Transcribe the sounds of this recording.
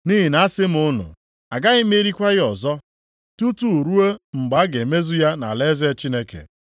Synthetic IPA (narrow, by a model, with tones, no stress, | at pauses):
ni˦ɦi˨na˨˦sɪ˦m̩˨ʊ˦nʊ̰˨ | a˨ɡa˦ɣɪ˦m˦e˦ɾi˦kʷa˦ɣɪ˦ɔ˨zɔ˦ | tu˦tu˦˨ɾu˦e˦ŋ͡m̩˨ɡ͡ba˦a˦ɡe˨me˦zu˦ja˦na̰˨le˦ze˦t͡ʃi˦ne˦kḛ˨